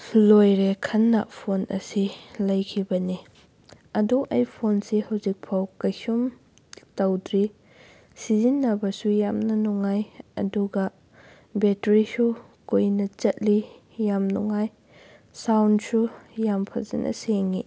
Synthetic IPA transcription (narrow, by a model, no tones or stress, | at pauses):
lojɾekʰɐnːɐ̰pʰonʔɐ̰silɐjkʰibɐni | ɐduʔɐjpʰonsihɐwzik̚pʰawkɐjsum | tɐwdɾi | sizinːɐbɐsujamnɐnuŋajɐ̰duɡɐ | betɾisu | kojnɐt͡ʃɐt̚li | jamnuŋaj | sawnsujampʰɐ̰zɐ̰nʔɐ̰seŋi